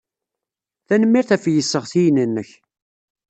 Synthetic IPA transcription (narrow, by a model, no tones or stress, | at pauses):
θænəmːiɾθæfjəsːəʁθijnənːəç